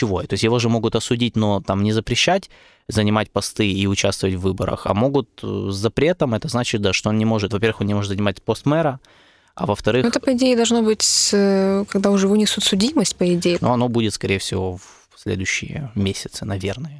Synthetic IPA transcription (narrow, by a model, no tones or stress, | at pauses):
t͡ɕɪvo̞ət̪o̞ɪsʲjɪvo̞ʐɛmo̞ɡʊt̪ɐsʊdʲitʲno̞t̪amnʲɪzəpɾʲɪɕːætʲ | zənʲɪmatʲpɐst̪ɨiʊt͡ɕast̪vəvətʲvːɨbəɾə̰xɐ̰mo̞ɡʊt̪zɐpɾʲe̞t̪əmɛt̪əznat͡ɕɪt̪̚d̪aʂt̪oo̞nnʲɪmo̞ʐɨt̪vɐpʲe̞rvɨxonnʲɪmo̞ʐɨt̪zənʲɪmat̚ʲpo̞st̪mɛɾə | ɐ̰vəft̪ɐɾɨɛxɛt̪əpəɪdʲejɪd̪ɐlˠʐnobɨtʲsəkɐɡ̚d̪aʊʐɨvunʲɪsut̪sʊdʲiməsʲt̚ʲpəɪdʲejɪnoɐno̞budʲɪt̪skɐɾʲejəfsʲɪvo̞v | sʲlʲḛd̪ʊjɕːɪ̰jə̰mʲesʲɪt̪sɨnɐvʲe̞rnɨjə